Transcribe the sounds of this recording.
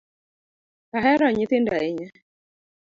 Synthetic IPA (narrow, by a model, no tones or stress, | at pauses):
aɦɛɾɔɲit̪ɪndaɪɲa